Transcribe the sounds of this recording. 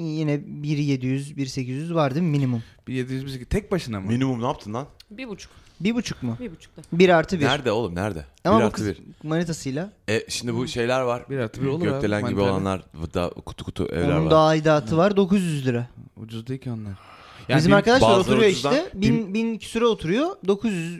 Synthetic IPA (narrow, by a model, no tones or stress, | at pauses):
jinɛbiɾje̞d̪ijyzbiɾse̞cʰizjyzvaɾd̪ɯmminimumb̥iɾjed̪ijyzbiseiz̥t̪ʰɛc̚baʃɯnd̪aminimumnap̚t̪ʰɯnd̪anbibut͡ʃʰu̥k | biɾbut͡ʃʰu̥kmʊibut͡ʃʰu̥k̪biɾaɾt̪ʰɯbiɾæɾd̪ɛo̞lˠumnæɾd̪ɛ̰amababiɾmonit̪ʰasɯjlˠaɛʃimd̪ibuʃe̞jlʲæɾvaɾbiɾaɾt̪ʰɯbiolˠøelʲænɟibio̞lˠa̰nlˠa̰ɾvɯd̪a̰kʰu̥t̪ʰu̥kʰu̥t̪ʰṵʔɛ̰vnlæ̰ɾund̪aːid̪aːt̪ʰɯvaɾd̪o̞kuzjyzlʲiɾaṵd͡ʒuzd̪eicʰonˠaɾ | jaizimaɾkad̪aʃlˠaɾouɾujoit̪ɛbinbinicʰi̥syɾɛot̪ʰuɾujod̪o̞kʰuzjyz